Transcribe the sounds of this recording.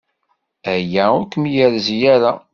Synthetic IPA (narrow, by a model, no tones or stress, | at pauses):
æjæukːəmjəɾzjæɾa